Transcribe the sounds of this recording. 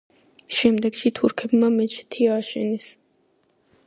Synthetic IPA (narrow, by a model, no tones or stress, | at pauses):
ʃɛmd̪ɛɡʃit̪ʰuɾkʰɛbmamɛt͡ʃʰʼt̪ʰiaːʃɛ̰nɛs